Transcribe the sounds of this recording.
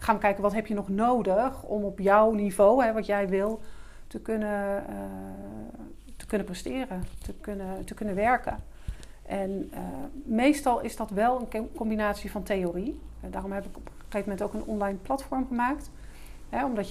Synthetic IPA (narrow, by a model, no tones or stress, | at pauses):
χaːmakɛjkənʋɑtɦɛpjənɔχnowdəχɔ̰mɔpjɔwnivowɦɛʋɑtjɛjʋɪlˠtəkønə | tə̥kɵnəprɛstɪːrətəkønətəkønənʋɛɹkə | ʔɛnəmejstɑlˠɪzdɑtʋɛlˠənkɔmbinaːtsivɑntejoridaːrɔmɦɛpɪkɔp | χejvəmɛntowkənɔ̰nlajnplɑtfɔɹmχəmaːkt | ɦɛɔmdɑt